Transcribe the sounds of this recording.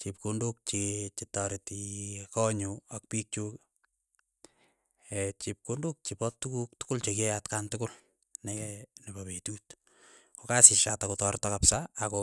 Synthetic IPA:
t͡ʃip̚kunduk̚t͡ʃit͡ʃitɔɾetikɔɲuak̚pik̚t͡ʃuk | ɛt͡ʃip̚kunduk̚t͡ʃipɔtːukuk̚tʊ̥kʊlt͡ʃekejatkantʊkʊl | nekɛnepapetut | kokasɪʃatakutɔɾtɔkapsaːko

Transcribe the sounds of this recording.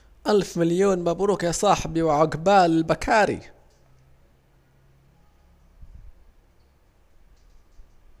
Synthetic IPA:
ʔalfmaljoːnmabɾuːkjasˤɑːħbiwɪʕaɡbaːlɪlbakʰaːɾḭ

